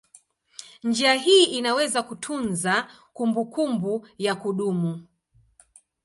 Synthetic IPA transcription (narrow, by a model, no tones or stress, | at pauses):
nd͡ʒiaɦiːʔinawɛzakutʰunzakumbukumbujakuɗumu